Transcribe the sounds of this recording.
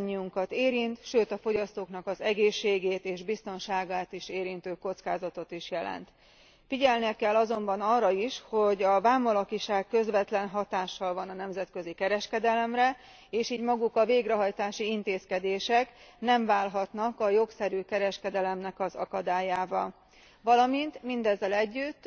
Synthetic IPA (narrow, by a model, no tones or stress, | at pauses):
ɲːiuŋkɒt̪eːɾint̪ʃøːt̪ɒfo̞ɟɒst̪oːknɒkɒzɛɡeːʃːeːɡeːt̪eːʒbist̪o̞nʃaːɡaːt̪iʃeːɾint̪øːko̞t̪skaːzɒt̪o̞t̪iʃjɛlɛ̰nt̪ | fiɟɛlniɛkɛlːɒzo̞mbɒnɒrːɒiʃho̞ɟɒvaːmɒlɒkiʃaːkːø̞zvɛt̪lɛnɦɒt̪aːʃːɒlvɒnɒnɛmzɛt̪kø̞zikɛɾɛʃkɛd̪ɛlɛmrɛ | eːʃiːɟmɒɡukɒveːɡɾɛɦɒjt̪aːʃiint̪eːskɛd̪eːʃɛknɛɱvaːlɦɒt̪nɒkɒjo̞ksɛɾyːkɛɾɛʃkɛd̪ɛlɛmnɛkɒzɒkɒd̪aːjaːvɒl | vɒlɒmint̪mind̪ɛzːɛlɛɟːyt̪ː